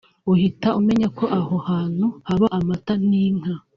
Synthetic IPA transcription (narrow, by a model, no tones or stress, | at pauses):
uhitaume̞ɲako̞ʔahohaːn̥huhaβaʔamataniːŋ̥a